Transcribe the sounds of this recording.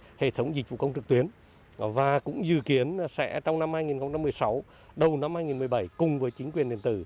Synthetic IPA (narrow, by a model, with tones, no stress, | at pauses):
hḛ˧˨t̪ʰə˨˦wŋ͡mzi˨˩k̚vṵ˧˨kə˧wŋ͡mt͡ɕɨ˨˩k̚t̪wi˨˦ən | vaː˨˩kʊ̰˧˥ŋ͡mzɨ̰˧˨ki˨˦ənsɛ̰˧˥t͡ɕɔ˧wŋ͡mna˧mhaː˧jŋi˨˩nxə˧ŋ͡mt͡ɕa˧mːɨ˨˩əjsa˨˦w | ɗə˨˩wna˧mhaː˧jŋi˨˩nmɨ˨˩əjɓə˧˩jkʊ˨˩ŋ͡mvəː˨˦jt͡ɕi̟˨˦kwi˨˩ənɗḭ˧ənt̪ɨ̰˧˩